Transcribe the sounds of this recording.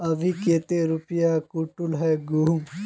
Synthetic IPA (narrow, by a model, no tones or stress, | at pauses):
ɐʋʱikeːt̪eɾupjakuʈʊlɦɛːɡuːm